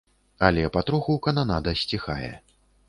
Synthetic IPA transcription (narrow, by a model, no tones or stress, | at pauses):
ɐlʲɛpat̪ɾɔxukɐnanad̪ɐsʲt͡sʲixajɛ̰